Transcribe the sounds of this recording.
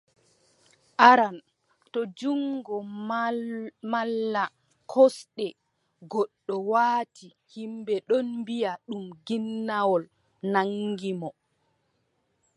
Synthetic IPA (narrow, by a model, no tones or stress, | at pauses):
ʔaɾan | tɔd͡ʒuŋɡɔ | malːa | kʰɔsɗɛ | ɡɔɗːɔwaːti | himbɛɗɔnmbijaɗumɡinːawɔl | naŋːɡimɔ